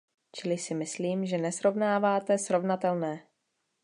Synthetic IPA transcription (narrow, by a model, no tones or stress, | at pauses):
t͡ʃɪlɪsɪmɪsliːmʒɛnɛsɾo̞vnaːvaːt̪ɛsɾo̞vnat̪ɛlnɛː